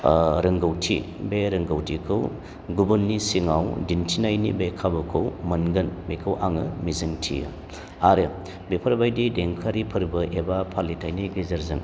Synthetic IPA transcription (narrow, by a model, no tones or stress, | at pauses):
ɾɯŋɡɐwtʰḭ | beɾɯŋɡɐwtʰikʰɯw | ɡubunːisiŋawdintʰinajnḭbekʰabɯkʰɯwmɐnɡɯnbekʰɯwʔaŋɯmizɯŋtʰḭjɯ̰ | aɾɯ | bepʰɐɾbajdideŋkʰaɾipʰɯɾbɯʔebapʰalitʰajniɡizɐɾzɯŋ